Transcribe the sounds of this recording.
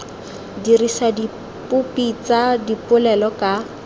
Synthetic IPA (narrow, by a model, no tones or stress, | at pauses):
dirisadi | pʊpit͡sadipʊlɛlɔka